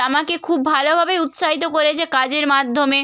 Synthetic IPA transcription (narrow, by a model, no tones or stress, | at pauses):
amakekʰubbʱalobʱabeut̪ʃaɦit̪̬okoɾet͡ɕʰekad͡ʑeɾmad̪ʱːome